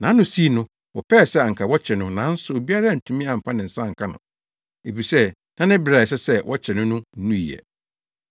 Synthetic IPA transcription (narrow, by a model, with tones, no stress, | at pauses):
nã˨˦nʊ̃˨si˦nʊ̃˦ | wɔ˨pʰɛ˦˨sɛ˦a˨ŋ̩˨kʰa˨wɔ˦t͡ɕʰɛ˨nʊ̃˦nã˨˦n̩˦sʊ˨o˨bi˦a˦ɾa˦˨n̩˨tʰũ˦mĩ˦ã˨m̩˨pʰã˦nɪ̃˨n̩˨sã˦ŋ̩˨kʰa˦nʊ̰̃˨ | e˨fi˨sɛ˦ | nã˦nɪ̃˦bɾa˨sɛ˦sɛ˦wʔɔ˦t͡ɕʰɛ˨nʊ̃˦nʊ̃˦nũ˦ḭ˨ɛ̰˨